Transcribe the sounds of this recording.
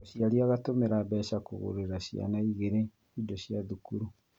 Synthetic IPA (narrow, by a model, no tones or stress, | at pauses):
ʃiaɾiaɣatomeɾabɛʃakoɣo̰ɾeɾaɕja̰naiɣeɾe | idoɕjaðukuɾu